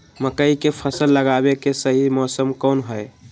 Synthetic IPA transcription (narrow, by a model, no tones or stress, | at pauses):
məkəikepʰəsəlːəɡabekesəɦimɔsəmkonɦəj